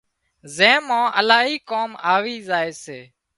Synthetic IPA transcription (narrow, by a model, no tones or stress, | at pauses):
zẽːmãːʔəlaːɦiːkoːmaːʋiːzaːeːseː